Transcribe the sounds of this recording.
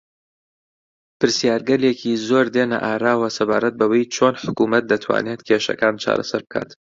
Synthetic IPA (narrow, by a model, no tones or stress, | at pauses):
pɨɾsijaːɾɡɐljekʰizoːɾd̪eːnɐ̰ʔaːɾaːwɐsɐbaːɾɐt̪̚bɐwejt͡ʃʰoːnħʊkuːmɐt̪̚d̪ɐt̪ʰwa̰ːneːt̪kʲʰeʃɐ̰kaːnt͡ʃʰa̰ːɾɐ̰sɐɾbɨkʰa̰ːt̪